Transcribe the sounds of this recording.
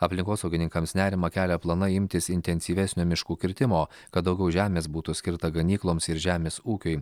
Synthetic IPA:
ɐpʲlʲɪŋkoːsɔʊɡʲɪnʲɪŋkɐmsnʲæːɾʲɪmɐkʲæːlʲɛplˠɐnɐɪmʲt̪ʲɪsɪnʲt̪ʲɛnʲsʲiːʋʲɛsʲnʲoːmʲɪʃkuːkʲɪɾʲt̪ʲɪmoːkɐt̪̚d̪ɒʊɡʲɛʊʒʲæːmʲeːs̬buːt̪usʲkʲɪɾt̪ɐɡɐnʲiːklˠoːmsɪɾʒʲæːmʲeːsuːkʲʊɪ

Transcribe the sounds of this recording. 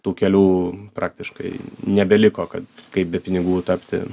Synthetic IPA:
t̪uːkʲɛlʲuːpɾɑːk̚t̪ʲɪʃkɐɪnʲɛbʲɛlʲɪkoːkɐt̪kɐɪp̚bʲɛpʲɪnʲɪɡuːt̪ɐpʲt̪ʲɪ̰

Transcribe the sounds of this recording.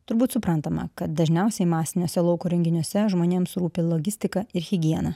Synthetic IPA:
t̪ʊɾbuːt̪sʊpɾɐnt̪ɐmɐ̰kɐt̪d̪ɐʒʲnʲɛʊsʲɛɪmɑːsʲɪnʲoːsʲɛlˠɒʊkoːɾʲɛŋʲɡʲɪnʲoːsʲɛʒmoːnʲeːmsɾuːpʲɪlˠoːɡʲɪsʲt̪ʲɪkɐɪɾɣʲɪɡʲiɛnɐ

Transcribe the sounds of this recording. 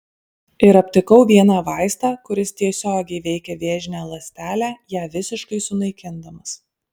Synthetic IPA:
ɪɾɐpʲt̪ʲɪkɐʊʋʲiɛnɑːʋɑˑɪst̪ɑːkʊɾʲɪst̪ʲiɛsʲoːɡʲɛɪʋʲɛɪkʲɛʋʲeːʒʲɪnʲæːlˠɐsʲt̪ʲæːlʲæːjæːʋʲɪsʲɪʃkɐɪsʊnɐɪkʲɪnd̪ɐmɐs

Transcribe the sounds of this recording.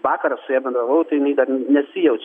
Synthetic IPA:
ʋɑːkɐɾɐssʊjɛːbʲɛnd̪ɾɐlˠɐʊt̪ɐɪɪnʲɐɪd̪ɐrnʲɛsʲɪjɛʊt͡ʃʲ

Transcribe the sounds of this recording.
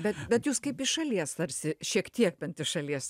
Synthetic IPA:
bʲɛt̪bʲɛt̪juːskɐɪpɪʃɐlʲiɛst̪ɐɾʲsʲɪʃʲiɛkt̪ʲiɛk̚bʲɛnt̪ʲɪʃɐlʲiɛs

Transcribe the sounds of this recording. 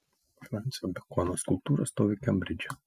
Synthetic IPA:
fɾanʲt̪sʲod̪ʲɐkɔnoːskʊlˠp̚t̪uːɾɐst̪oːʋʲekʲɛmʲbʲɾʲɪd͡ʒʲɛ

